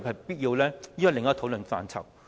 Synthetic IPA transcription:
p̚hɐ˨˩jpiː˥t̚jiː˧wlɛː˥jnwɐ˨˩lɪ˨˩ŋaː˥˩t̪ʰo˧˥wlə˨nfa̰ː˧nt͡sʰɐ̰˨˩w

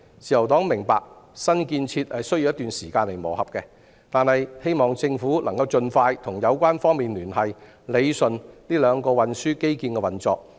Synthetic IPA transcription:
t͡siː˨jɐ˨˩wt̪ɔː˨˥ŋmɪ˨˩ŋpaː˨k̚ | sɐ˥nkiː˧nt͡sʰiː˧t̚hɐ˨jsɵ˥ɥji˧wjɐ˥t̪ːyː˨nsiː˨˩kaː˧nle˨˩jmo̰ː˨˩whɐ˨p̚kɛ˧ | t̪aː˨nhɐ˨jhe˥jmɔː˨ŋt͡sɪ˧ŋfuː˨˥lʔɐ˨˩ŋkɐ˧wt͡ʃɵ˧nfaː˧jt̪ʰʊ˨˩ŋjɐ˨˧wkʷaː˥nfɔː˥ŋmiː˨nlyː˨˩nɦɐ˨j | le˨˧jsɵ˨nliː˥lœː˨˧ŋkɔː˧wɐ˨nsyː˥ke˥jkiː˧nkɛ˧wɐ˨nt͡sɔː˧k̚

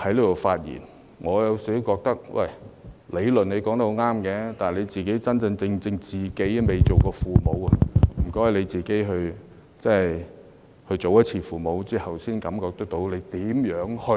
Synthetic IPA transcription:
hɐ˨˧˥jliː˥d̪o˨˩wfaː˧t̚jḭː˨˩n | ŋʔɔː˨˧jɐ˨˧wsi˨˥wkɔː˧k̚t̪ɐ˥k̚wʔɐ̰˨˩jle˨˧jlɵ˨ne˨˧jkɔː˧˥ŋt̪ɐ˥ho˨˧˥ŋaː˥mkɛː˧t̪aː˨nnle˨˧jt͡siː˨ke˨˥jt͡sɐ˥nt͡sɐ˧ŋt͡sɪ˧ŋt͡sɪ˧ŋt͡siː˨˩ke˨˥jme˨jt͡so˨wkɔː˧fuː˨mo˨˧wɐ˧m̩˨˩kɔː˥jle˨˧jt͡siː˨ke˨˥jɦɵ˧ɥ | t͡sɛ˥j | hɵ˧ɥt͡so˨wjɐ˥t̚t͡sʰiː˧fuː˨mo˨˧wt͡siː˥hɐ˨wsiː˥nkɐ˨˥mkɔː˧k̚t̪ɐ˥k̚t̪o˨˥wle˨˧jt̪iː˨˥mjœː˨˥ŋhɵ˧

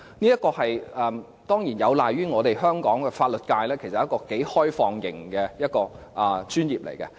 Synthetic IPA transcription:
niː˥jɐ˥t̚kɔː˧hɐ˨jʔɛː˨˧m | t̪ɔː˥ŋjiː˨˩njɐ˨˧wlaː˨jɥyː˥ŋɔː˨˧ɾe˨jœː˥ŋkɔː˨˥ŋkɛ˧faː˧t̚lɵ˨t̚kaː˧jlɛː˥kʰjsɐ˨jkɔː˧ke˨˥jhɔː˥jfɔː˨˧ŋjɪ̰˨˩ŋkɛ˧jɐ˥t̚kɔː˧ | ʔɐ˨t͡ʃyː˥njiː˨p̚lḛ˨˩jkɛ̰˧

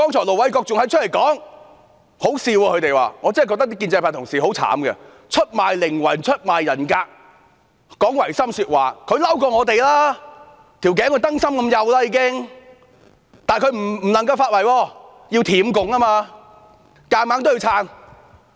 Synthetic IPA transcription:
kɔː˥ŋt͡ʃʰɔː˨˩lo˨˩wɐ˨˥jkɔː˧k̚t͡sʊ˨ŋhɐ˨˧jt͡ʃʰə˥t̚le˨˩jkɔː˨˥ŋ | ho˨˥wsiː˧wɔː˧kʰt̪e˨˩jwa̰ː˨˩ŋɔ˨˧t͡sɐ˥˨jkɔ˧t̪ɐ˥kt̪i˥k̬ːiː˧nt͡sjpʰaː˨˩t̪ʰʊ˨˩ŋsiː˨˩ho˨˥wt͡sʰa̰ː˨˥mɡɐ̰˧ | t͡ʃʰɵ˥t̚maː˨˩jlɪ˨˩ŋwɐ̰˨˩nt͡ʃʰɵ˥t̚maː˨jːɐ˨˩nkaː˧k̚ | kɔː˨˥ŋwɐ˨˩jsɐ˥msyː˧t̚waː˨˩kʰɵ˨˧ɥlɐ˥wkɔː˧ŋɔː˨˧t̪̬e˨jlaː˥ | t̪ʰiː˨˩wkɛː˨˥ŋkʰːjt̪ɐ˥ŋsɐ˥mkɐ˧mjɐ˨˧wlaː˦˥jiː˨˧kɪ˥ŋ | t̪aː˨nkʰɵ˨˧ɥm̩˨˩˨lɐ˨˩ŋkɐ˧wfaː˧t̚wɐ˨˩jwɔː˧ | jiː˧wt̪ʰiː˨˧˥mkʊ˨ŋaː˥maː˧ | kaː˧maː˨˥ŋt̪o˥wji˧wt͡sʰaː˧˩n

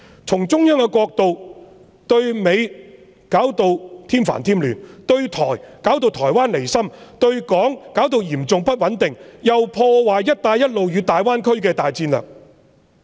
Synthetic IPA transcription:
t͡sʰʊ˨˩ŋt͡sʊ˥ŋjœː˥ŋkɛ˧kʷwɔː˧k̚t̪o˨w | t̪ɵ˧ɥme˨˧j | kaː˨˥wt̪o˧wt̪ʰiː˥mfa̰ː˨˩nt̪ʰiː˥mlyː˨˩nt̪ɵ˧ɥt̪ʰɔ̰ː˨˩jkaː˨˥wt̪̬o˧wt̪ʰɔː˨˩jwaː˥nle˨˩jsɐ˥mt̪ɵ˧ɥkɔː˨˥ŋkaː˨˥wt̪o˨˧wjiː˨˩mt͡sʊ˨ŋpɐ˥t̚wɐ˨˥nt̪ɪ˨ŋjɐ˨wpʰɔː˧waː˨˩jjɐ˥t̚t̪aː˧jːɐ˥t̚lo˨wjyː˨˧t̪aː˨jwaː˥nkʰɵ˥ɥkɛː˧t̪aː˨jt͡siː˧nlœ̰ː˨k̚

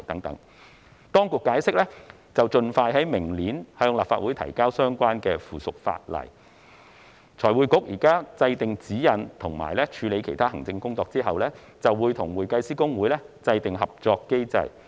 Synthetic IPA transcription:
t̪ɐ˨˥ŋt̪ɐ˨˥ŋ | t̪ɔː˥ŋkʊ˨kːaː˨˥jsɪ˥k̚lɛ˥ | t͡sɐ˨wt͡sɵ˧nfaː˧jɦɐ˨˥jmɪ˨˩ŋliː˨˥nhœː˧ŋlaː˨˩pfaː˧t̚wuː˨˥jt̪ʰɐ̰˨˩jkaː˥wsœː˥ŋkʷaː˥nkɛː˧fuː˨˩sʊ˨k̚fa̰ː˧t̚lɐ̰˨˩j | t͡sʰɔː˨˩jwuː˨˧jkʊ˨˥k̚jiː˨˩kaː˥t͡sɐ˧jt̪ɪ˨ŋt͡siː˨˥jɐ˨˩nt̪ʰʊ˨˩ŋma̰ː˨˩jlɛː˥t͡ʃʰyː˨˧le˨˧jkʰe˨˩jt̪ʰaː˥hɐ˨˩ŋt͡sɪ˧ŋkʊ˥ŋt͡sɔː˧k̚t͡siː˥ɦɐ˨wlɛː˥ | t͡sɐ˨wwuː˨˧jt̪ʰʊ˨˩ŋwuː˨˩jkɐ˧jsiː˥kʊ˥ŋwuː˨˥jlɛː˥t͡sɐ˧jt̪ɪ˨ŋɦɐ˨p̚t͡sɔː˧kːe˥jt͡sɐ̰˧j

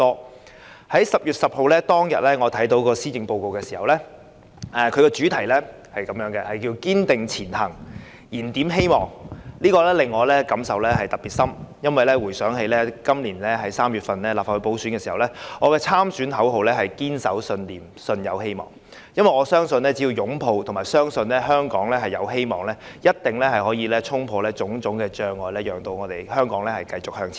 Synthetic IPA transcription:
ɔː˥ | hɐ˨˥jsɐ˨p̚jyː˨t̚sɐ˨p̚ho˨wlɛː˥t̪ɔː˥ŋjɐ˨t̚lɛː˥ŋɔː˨˧t̪ʰɐ˨˥jt̪o˨˧˥wkɔː˧siː˥t͡sɪ˨˧ŋpo˧wko˨wkɛː˧siː˨˩hɐ˨wlɛː˥ | ɛː˨kʰɵ˨˧ɥkɛː˧t͡ʃyː˨˥t̪ʰɐ˨˩jlɛ˥ | hɐ˨jkɐ˨˦mjœː˨˥ŋkɛ˧hɐ˨jkiː˧wkiː˥nt̪ɪ˨ŋt͡sʰiː˨˩nhɐ˨˩ŋ | jiː˨˩nt̪iː˨˥mɦe˥jmɔː˨˩ŋliː˥kɔː˧lɛː˥lɪ˨ŋːɔː˨˧lɛː˥kɐ˨˧˥msɐ˨wlɛː˥ɦɐ˨jt̪ɐ˨k̚pi˨t̚sɐ˥mjɐ˥nwɐ˨jlɛː˥wuː˨˩jsœː˨˥ŋɦe˧jlɛː˥kɐ˥mliː˨˩nlɛː˥ɦɐ˨˥jsaː˥mjy˨t̚fɐ˨nlɛː˥laː˨p̚fa˨thɵ˧˥po˨˥wsy˨˥nkɛː˧siː˨˩hɐ˨˩wlɛː˥ŋɔː˨˧kɛː˧t͡sʰaː˥msyː˨˥nɦɐ˨˥wɦo˨wlɛː˥ɦɐ˨jkiː˥nsɐ˨˥wsɵ˧nliː˨˩m | sɵ˧njɐ˨˧whe˥jmɔ̰ː˨˩ŋ | jɐ˥nwɐ˨jŋɔː˨˧sœː˥ŋsɵ˧nlɛː˥t͡si˨˥jiː˨˧wjʊ˨˥ŋpʰo˨˧wt̪ʰʊ˨ŋmaː˨˩jsœː˥ŋsɵ˧nlɛː˥ɦœː˥ŋkɔː˨˥ŋlɛː˥ɦɐ˨˩jɐ˨˧wɦe˥jmɔː˨˩ŋlɛː˥jɐ˥t̚t̪ɪ˨˩ŋlɛː˥hɐ˨˩jhɦɔː˨˥jiː˨˧lɛː˥t͡sʰʊ˥ŋpʰɔː˨˧lɛː˥t͡sʊ˨˥ŋt͡sʊ˨˥ŋkɛː˧t͡ʃœː˨˧ŋːɔː˨˧jlɛː˥jœː˨˩ŋt̪o˧wŋɔː˨˧t̪e˨˩jhœː˥ŋkɔː˨˥ŋlɛː˥hɐ˨jkɐ˧jt͡sʊ˨k̚hœː˧ŋt͡sʰː

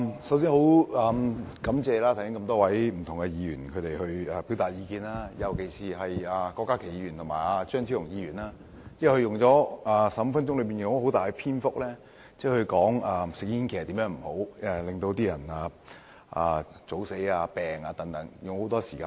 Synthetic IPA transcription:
sɐ˨˥ws̬iː˥nho˨˥waː˧mkɐ˨˥mt͡sɛː˨˧laː˥t̪ʰɐ˨˩sɪ˥ŋkɐ˧mt̪ɔː˥wɐ˨˥jm̩˨˩t̪ʰʊ˨˩ŋɡɛ˧jiː˨˧ɥyː˨˩nkʰɵ˨˧t̪e˨˩jhɵ˧ɥaː˨˧piː˨˥wt̪aː˨t̚jiː˧kiː˧naː˥jɐ˨˩wke˨˩jsiː˨ɦɐ˨jaː˨˧kɔː˧kːaː˥kʰe˨˩jiː˧˥y˨˩nt̪ʰmaː˨˩jaː˧t͡ʃœː˥ŋt͡sʰi˥jʊ˨˩ŋjiː˧ɥyː˨˩naː˧ | t͡sɛ˥˩˨hɵ˧jʊ˨ŋt͡sɔː˨˥aː˨˩sɐ˨˥m˨˧fɐ˥nt͡ʃʊ˥ŋlɵ˨˧pi˨njʊ˨˩˥ho˨˥wt̪aː˨jɡɛ˧pʰiː˥nfʊ˥k̚lɛː˥ | t͡sɛː˥˩hɵ˧kɔː˨˥ŋaː˨˧sɪ˨k̚jiː˥nkʰe˨˩jɐ˨t̪i˨˥mjœː˨˥ŋm̩˨˩ho˨˥wɛ˨˩lɪ˨ŋt̪o˧wt̪iː˥jɐ˨˩naː˧ | ʔa̰ː˨t͡so˨˥wse˨˥jaː˧pɛː˨ŋaː˧t̪ɐ˨˥ŋt̪ɐ˨˥ŋjʊ˨ŋho˨˥wt̪ɔː˥si̥ː˨˩kaː˧n

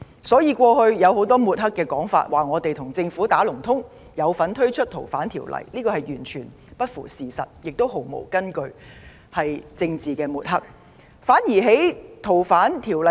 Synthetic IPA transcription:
sɔː˨˥jiː˨˧kʷɔː˧hɵ˧ɥjɐ˨˧who˨˧˥wt̪̬ɔː˥muː˨t̚ɦɐ˥kːɛː˧kɔː˨˥ŋfa̰ː˧t̚waː˨˩ŋɔː˨˧t̪e˨jt̪ʰʊ˨˩ŋt͡sɪ˧ŋfuː˨˥t̪aː˨˥lʊ˨˩ŋt̪ʰʊ˥ŋ | jɐ˨˧wfɐ˨˥nt̪ʰɵ˥ɥt͡ʃʰɵ˥t̚t̪ʰo˨˩wfaː˨˥nt̪ʰiː˨˩wlɐ̰˨˩jliː˥kɔː˧hɐ˨˩jjyː˨˩nt͡ʃʰyː˨˩n | pɐ˥t̚fuː˨˩siː˨˩sɐ̰˨t̚jɪ˨k̚t̪o˥wɦo˨˩wmo̰˨˩wkɐ˥nkɵ˧ɥ | hɐ˨jt͡sɪ˧ŋt͡siː˨kɛː˧muː˨t̚hɐ˥k̚ | faː˨˥nji˨˩ɦe˨˥jt̪ʰo˨˩wfaː˨˥nt̪ʰiː˨˩wlɐ˨

